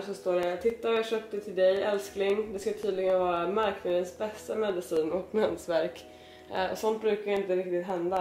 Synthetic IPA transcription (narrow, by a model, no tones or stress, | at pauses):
ʂɔst̪oːɖɛt̪ʰɪt̪ːajaʂœːp̚t̪ət̪ʰɪld̪ɛjɛlsknɪŋd̪ɛskat̪ʰyːd̪lɪɡənvɑːɾamaɾknad̪ənsbɛst̪amɛd̪ɪsiːnɔkmɛnsvæɾk | ɔ̰sɔnt̪̚bɾʉ̟ːkavjɪnt̪əɾɪk̚t̪ɪt̪ɦɛnd̪a